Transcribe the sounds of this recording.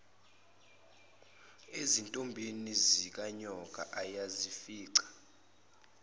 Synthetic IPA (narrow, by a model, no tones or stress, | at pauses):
ezintʼombʱenizik̬aɲɔk̬ʼa̰ʔajazifiːǀḁ